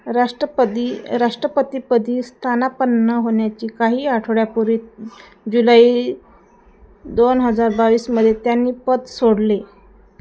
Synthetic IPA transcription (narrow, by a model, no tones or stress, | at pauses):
ɾaʂʈəd̪iɾaʂʈɾəpət̪iːpəd̪ʱiːst̪ʰanapənːəɦoɳjat͡ɕiːkaɦiːaʈʰɽjapuɾiːt̪ | d͡ʑulaiː | d̪onɦəd͡zaɾbaʋiːsməd̪ʱːjet̪janːiːpət̪soɽle